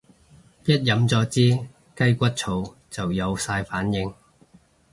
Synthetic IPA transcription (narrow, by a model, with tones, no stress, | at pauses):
jɐ˥t̚jɐ˨˥mt͡sɔː˨˥t͡siː˥ | kɐ˥jkʷɐ˥t̚t͡sʰo˨˧˥w | t͡sɐ˨wjɐ˨˧wsaː˧jfaː˨˥njɪ˧ŋ